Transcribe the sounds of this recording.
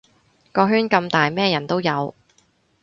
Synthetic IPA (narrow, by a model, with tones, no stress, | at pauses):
kɔː˧ɦyː˥nkɐ˧mt̪aː˨jmɛː˥jɐ˨˩nt̪o˥wjɐ˨˧w